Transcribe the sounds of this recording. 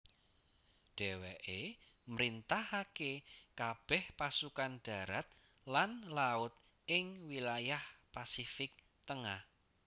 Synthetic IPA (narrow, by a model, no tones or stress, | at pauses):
ɖ̥ɛweʔe | məɾint̪ahakekab̥ɛhpasukanɖ̥a̤ɾat̪̚ | lanlaʊt̪̚ | ʔɪŋwilajahpasifɪk̚ | t̪əŋah